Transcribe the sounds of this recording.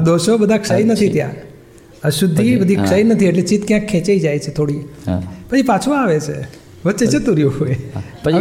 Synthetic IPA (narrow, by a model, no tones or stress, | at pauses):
ad̪oʃobəd̪ʱakʂəjnət̪ʰit̪jã̰ | əʃud̪ʱːibəd̪ʱikʂəjnət̪ʰieʈlet͡ʃit̪kjãkʰːɛ̃t͡ʃejd͡ʒajt͡ʃʰet̪ʰoɽipət͡ʃʰipat͡ʃʰũaʋet͡ʃʰḛ | ʋətːt͡ʃet͡ʃet̪uɾjuɦoj